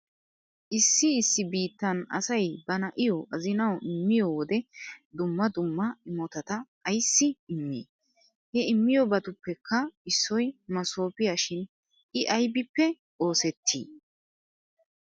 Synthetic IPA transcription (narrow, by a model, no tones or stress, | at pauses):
ʔɪsːɪɪsːɪbiːt̪ːɐnɐ̰sɐjbɐnɐʔɪjɔʔɐzɪnɐwʔɪmːɪjowɔd̪ɛd̪ʊmːɐd̪ʊmːɐɪmɔt̪ɐt̪ɐː | jsːɪɪmːḛː | hɛɪmːɪjɔbɐt̪ʊpːɛkʰːɐɪsːɔjmɐso̞ːpɪjɐʃɪn | ʔɪʔɐjbɪpːɛ | ʔo̞ːsɛt̪ʰːḭː